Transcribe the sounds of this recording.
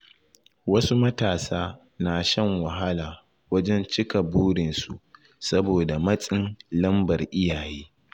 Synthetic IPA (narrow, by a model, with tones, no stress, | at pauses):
wɐ˦su˦mɐ˦taː˨saː˦ | naː˨ʃɐ˦ŋwɐ˨ɦa˦laː˨ | wɐ˦d͡ʒɛ˦nt͡ʃɪ˦ka˨buː˦ɽɪ˨nsṵ˨ʔ | sɐ˦boː˨da˨mɐ˦sʼɪ˦nlɐ˦mbɐ˨rʔɪ˦jaː˨jeː˦